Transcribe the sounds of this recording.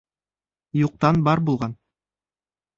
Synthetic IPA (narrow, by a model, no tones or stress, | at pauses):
juq̚t̪ɑnbɑɾbulˠʁɑn